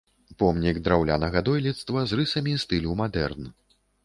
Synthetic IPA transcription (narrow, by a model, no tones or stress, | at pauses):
pɔmnʲiɡd̪ɾawlʲanɐɣɐd̪ɔjlʲit̪st̪vɐzrɨsɐmʲist̪ɨlʲumad̪ɛrn